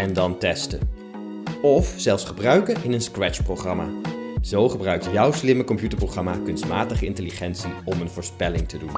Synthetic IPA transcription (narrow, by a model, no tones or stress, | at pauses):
ɛndɑntɛstə | ɔfz̥ɛlˠfsχəbrœɥkəʔɪnənskrɛt͡ʃprowχrɑma̰ːz̥owχəbrœɥk̚tjʌwslɪməkɔmpjutəɹprowχrɑmakɵnstmaːtəχəɪntəliχɛnsiɔmənvʊːɹspɛlɪŋtədun